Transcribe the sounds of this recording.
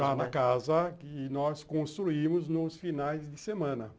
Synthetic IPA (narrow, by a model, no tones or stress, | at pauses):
anɐkazɐkɪnɔskõst̪ɾuimʊznʊsfinajzd̪ɪsemɐ̃nɐ